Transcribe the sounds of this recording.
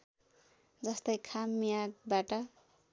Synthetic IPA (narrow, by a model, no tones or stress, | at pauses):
d͡zʌst̪ʌjkʰamːijaɡ̚baʈʌ